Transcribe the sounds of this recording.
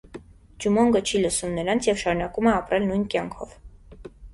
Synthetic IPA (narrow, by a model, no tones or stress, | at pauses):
d͡ʒumɔŋɡət͡ʃʰiləsumnəɾɑnt͡sʰjɛvʃɑɾunɑkumɛɑpɾɛlnujnkjɑŋkʰɔ̰v